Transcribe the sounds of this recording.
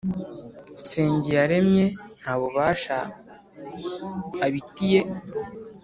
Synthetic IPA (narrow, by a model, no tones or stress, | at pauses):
m̩se̞ːɲɟijaɾe̞mɲe̞n̥haːβoβaːʃa | βitije̞